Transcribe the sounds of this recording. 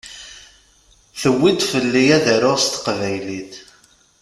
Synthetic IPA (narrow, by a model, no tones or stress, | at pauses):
θəwːid̪fəlːijæðəɾʊʁst̪ə̥qvæjliθ